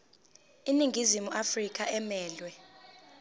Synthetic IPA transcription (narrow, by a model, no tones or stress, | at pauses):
iniŋɡʱizimuʔafrik̬ʰʼaɛmɛːlwɛ